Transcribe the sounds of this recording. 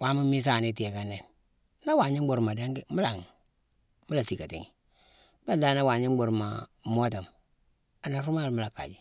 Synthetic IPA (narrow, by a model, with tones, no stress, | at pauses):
wa˦mu˦mi˦s̬a˨ni˦te˨ka˨nːe˨n | na˦wa˨ɲi˦u˨ɾma˨de˦ŋɡi˦mu˦la˨ŋ˨ | mu˦la˨si˨ka˨ti˨ŋi˨ | ba˦da˦na˦wa˨ɲi˦ɡ͡bu˨ɾma̰˨mo˦ta˨m | a˨na˨ɾu˦ma˦lmu˦la˨kːa̰˨d͡ʒi˨